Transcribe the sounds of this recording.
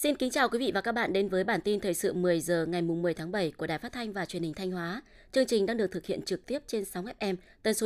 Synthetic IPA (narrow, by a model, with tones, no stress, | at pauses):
si˧nkï˨˦ŋ̟t͡ɕaː˨˩wkwi˨˦vḭ˧˨vaː˨˩kaː˦˥ɓa̰ː˧˨nɗe˨˦nvəː˨˦jɓaː˧˩nt̪i˧nt̪ʰəː˨˩jsɨ̰˧˨mɨ˨˩əjzəː˨˩ŋa˨˩jmʊ˨˩ŋ͡mmːɨ˨˩əjt̪ʰaː˨˦ŋɓə˧˩jku˧˩əɗaː˨˩jfa˦˥t̪ʰa˧jŋ̟vaː˨˩t͡ɕwənhï˨˩t̪ʰa˧jŋ̟hwaː˨˦ | t͡ɕɨ˧əŋt͡ɕï˨˩ŋ̟ɗaː˧ŋɗɨ˨˩ək̚t̪ɨ˨˩hi˧˨ənt͡ɕɨ˨˩k̚t̪i˦˥əp̚t͡ɕe˧nsa˨˦wŋ͡mʔɛ˦˥p̚ʔɛ˧m | t̪əː˨˦nso˨˦